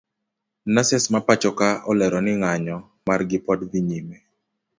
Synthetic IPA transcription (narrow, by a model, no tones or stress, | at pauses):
nasɛsmapat͡ʃɔkaɔlɛɾɔnɪŋaɲɔ | marɡɪpɔdd̪iɲimɛ